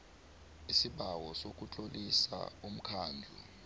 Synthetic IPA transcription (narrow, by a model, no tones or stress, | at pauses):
isiɓawɔsok̬ʼut͡ɬʼolisa̰um̩kʰaːnd͡ɮʱṵ